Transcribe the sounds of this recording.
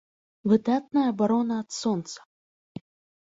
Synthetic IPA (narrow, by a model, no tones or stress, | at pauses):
vɨd̪at̪̚nɐjɐbaɾɔnɐːt̪sɔnt̪sɐ̥